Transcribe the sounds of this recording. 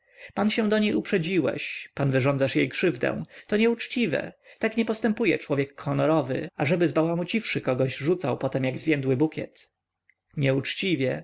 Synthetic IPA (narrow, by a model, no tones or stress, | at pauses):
panɕɛw̃d̪ɔɲejupʂɛd͡ʑiwɛ̰ɕpanvɘʐɔnd̪zaʂjejkʂɘvd̪ɛ̰w̃t̪ɔɲɛut͡ʂt͡ɕivɛ̰t̪akɲɛpɔst̪ɛmpujɛ̰t͡ʂwɔvʲjɛkːɔnɔɾɔvɘ̰aʐɛbɘzbawamut͡ɕifʂɘkɔɡɔʑʐut̪sawpɔt̪ɛmjaɡzvʲjɛnd̪wɘbukʲɛ̰t̪ | ɲɛut͡ʂt͡ɕivʲjɛ